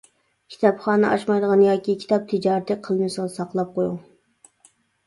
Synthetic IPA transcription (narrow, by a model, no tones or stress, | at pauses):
kʲʰi̥t̪ɑpχɑːnɨʔɑʃmɑjd̪əʁɑnjɑːkʲikʲʰi̥t̪ɑp̚t̪ʰɪd͡ʒɑːɾt̪ʰɨqʰəlˠmɨsɑlˠsɑqlˠɑp̚qʰojuŋ